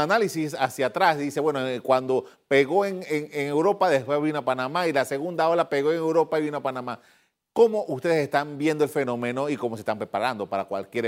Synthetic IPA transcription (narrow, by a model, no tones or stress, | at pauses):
analisisasjat̪ɾazðise̞βwenokwand̪o̞ | pe̞ɣo̞eŋeŋeŋe̞wɾo̞paðespwezβinoapanamailase̞ɣund̪ao̞lape̞ɣo̞eŋe̞wɾo̞paiβinoapanama | ko̞mo̞ʔust̪e̞ðesest̪ambje̞nd̪oelfe̞no̞meno̞iko̞mosest̪ampɾe̞paɾand̪o̞paɾakwa̰lkje̞ɾ